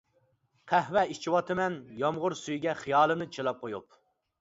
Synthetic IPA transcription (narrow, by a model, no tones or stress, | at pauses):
qʰæhwɛit͡ʃʰiwɑt̪ʰɨmɛnjɑmʁʊɾsyjɡʲɛχijɑːlˠɨmnɨt͡ʃʰilˠɑp̚qʰojup̚